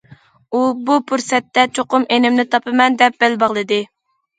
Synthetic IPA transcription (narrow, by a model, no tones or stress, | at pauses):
ubupʰuɾsɛt̪ːɛt͡ʃʰoqʊmenɪmnɪt̪ʰɑpɨmɛnd̪ɛp̚b̥ɛlbɑʁlˠɨd̪ɨ